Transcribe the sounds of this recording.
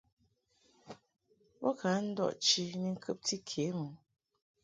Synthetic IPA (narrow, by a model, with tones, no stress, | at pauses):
wɔ˦ka˨˦n̩˦dɔ̰˦˨ʔt͡ʃi˦ni˦˨ŋ̩˦kʰɨ˦p̚ti˦kʰe˨˦mu˨